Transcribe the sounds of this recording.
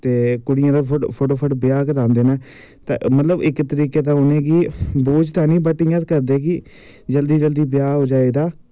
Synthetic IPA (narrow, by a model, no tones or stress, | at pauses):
t̪eːkʊɽɪjãːd̪apʰʊpʰoʈoːpʰəʈbɪjaːkəɾãːnd̪eːnaː | t̪a̰mət̪ləbɪkt̪əɾiːkeːt̪ãːɦoːneːɡiːboːd͡ʒt̪ãːnĩːbəʈːɪjãːt̪kəɾd̪eːɡiː | d͡ʒəld̪iːd͡ʒəld̪iːbɪjaːɦoːd͡ʒaːeːd̪aː